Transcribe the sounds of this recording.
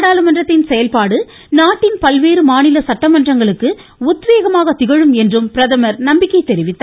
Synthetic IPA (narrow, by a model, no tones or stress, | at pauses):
ɽaːlɯmɐndrɐt̪ːɪnsɛjɐlpaːɽɯ | naːʈːɪnpɐlʋeːɾɯmaːnɪlɐsɐʈːɐmɐndrɐŋɡɐɭɯkːɯ | ʊt̪ːʋeːɣɐmaːɣɐt̪ɪɣɐɻɯmɛndrɯmpɪɾɐðɐmɐɾnɐmbɪkːɐɪt̪ːɛɾɪʋɪt̪ːɐ